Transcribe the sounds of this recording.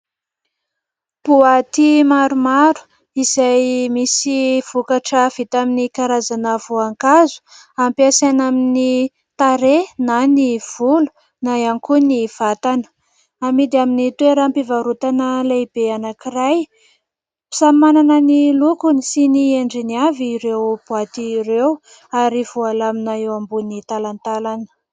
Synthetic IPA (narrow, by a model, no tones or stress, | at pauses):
puat̪imaɾumaɾu̥ | izajmisiv̥ukaʈ͡ʂəv̥it̪aminikaɾazanəvoaŋkazu̥ | ampiasanamini | t̪aɾenaniv̥ulu̥ | naaŋkuniv̥at̪anə̥ | amid̪iaminit̪weɾampivaɾut̪anəlejbeanakiɾaj | pi̥sammananənilukunisinieɳɖ͡ʐiniaviːɾewb̥wat̪iɾew | aɾivualaminaewambunit̪alant̪alanə̥